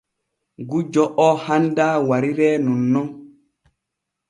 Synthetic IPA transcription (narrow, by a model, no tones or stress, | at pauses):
ɡud͡ʒɔʔɔhandaːwaɾiɾɛːnɔnːɔn